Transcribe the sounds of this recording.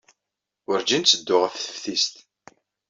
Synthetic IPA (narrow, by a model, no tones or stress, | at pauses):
ʊɾd͡ʒint̪t͡sːəd̪ːʊʁəθθə̥fθist̪